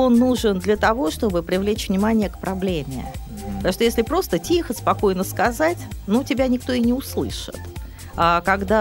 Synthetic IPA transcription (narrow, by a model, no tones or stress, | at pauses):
o̞nːuʐɨnd̪lʲət̪ɐvo̞ʂt̪o̞bɨpɾʲɪvlʲet͡ɕvnʲɪmanʲɪjəkpɾʔɐblʲemʲɪ̰ | pət̪ɐmouʂt̪oesʲlʲɪpɾo̞st̪ətʲixətʲspɐko̞jnəskɐzatʲnutʲɪbʲanʲɪk̚t̪o̞ɪnʲɪʊslˠɨ̰ʂɨ̰t̪ | akɐɡd̪a